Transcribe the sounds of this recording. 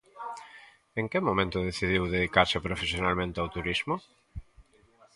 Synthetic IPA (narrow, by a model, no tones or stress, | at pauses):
eŋkɪmõmẽnt̪ʊðeθiðiwðeðikaɾsɪpɾofesjonalmẽnt̪eawt̪uɾizmʊ